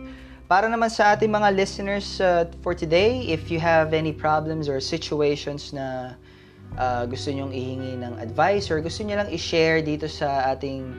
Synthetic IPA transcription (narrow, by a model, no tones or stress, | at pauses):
paːɾɐnɐmansɐʔaːt̪ɪŋmɐŋalɪsɪnɛɹsɐfɔɹt̪ʊd̪ejɪfjʊɦɐvɛnipɹablɛmsɔɹsɪt͡ʃʊejʃonsnɐ | ʔaɡʊst̪oɲoŋɪhɪŋinɐŋɐ̰d̪vajsɔɹɡʊst̪oɲolɐŋɪʃɛɹd̪iːt̪o̞sɐʔaːt̪ɪŋ